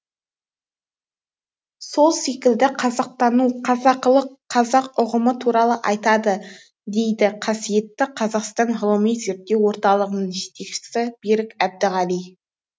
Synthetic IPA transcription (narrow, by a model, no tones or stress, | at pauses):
so̞lˠse̞kʲɪld̪ɪqʰɑzɑq̚t̪ɑnuqʰɑzɑqəlˠəqʰːɑzɑqʊʁəmət̪ʰuɾɑlˠəʔɑjt̪ɑd̪ə | d̪e̞jd̪ɪqʰɑsije̞t̪ːɪqʰɑzɑqst̪ɑnʁlˠomijze̞ɾt̪ːewwo̞ɾt̪ɑlˠəʁənəɴʒet̪e̞kʃɪ̥sɪbiɾɪkʲæb̚d̪ɪʁɑlij